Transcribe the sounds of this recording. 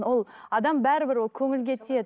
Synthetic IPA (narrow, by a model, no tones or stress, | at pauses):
wo̞lˠɑd̪ɑmbæɾɪbɪɾwo̞lˠkʲʰɵŋɪlɡʲe̞t̪ʰed̪